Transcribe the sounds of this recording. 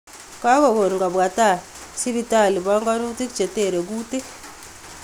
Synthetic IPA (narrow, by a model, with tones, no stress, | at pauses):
ka˦ɣo˨βo˨ɾi˨ŋɡa˨βwa˨ta˦˨ | si˦βi˨ta˦˨li˨βa˦ŋɡa˦nu˦ti˦ku̥t͡ʃe˨te˦˨ɾe˨ɡu˦te˦